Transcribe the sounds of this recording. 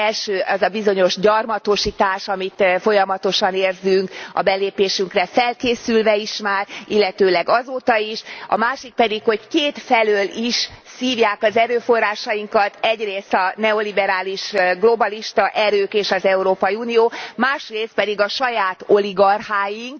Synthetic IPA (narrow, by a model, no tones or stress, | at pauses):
ɛlʃøːʔɛzɒbizo̞ɲo̞ʒɟɒrmɒt̪o̞ʃit̪aːʃɒmit̪fo̞jɒmɒt̪o̞ʃɒneːrzyŋkɒ̰bɛleːpeːʃyŋkrɛfɛlkeːsylvɛiʃmaːrilːɛt̪øːlɛɡɒzoːt̪ɒiʃɒ̰maːʃik̚pɛd̪ikho̞ckeːt̪fɛløːliʃsiːvjaːkɒzɛɾøːfo̞rːaːʃɒjiŋkɒt̪ɛɟreːst̪ɒnɛo̞libɛɾaːliʃɡlo̞bɒliʃt̪ɒʔɛɾøːkeːʃɒzɛuɾoːpɒjiunijoːmaːʃreːst̪̚pɛd̪iɡɒʃɒjaːt̪oliɡɒrhaːjiŋk